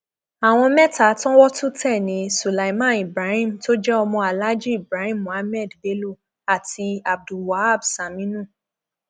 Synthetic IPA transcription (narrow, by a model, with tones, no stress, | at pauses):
a˨w̃ɔ̃˧mɛ˦ta˨˦tɔ̃˦wɔ˦tu˦tɛ˦˨nĩ˨˦su˨la˨i˦mã˦˨i˨bɾa˨˦hĩ˦˨m̩˨to˦d͡ʒɛ˦ɔ˧mɔ̃˧a˨la˦d͡ʒi˦i˨bɾa˨˦hĩ˦˨mũ˨a˧˦mɛ˦˨dbe˦lu˦˨ | a˨ti˧a˨b̚du˨wa˨˦a˦˨bsa˨mĩ˦nũ˦˨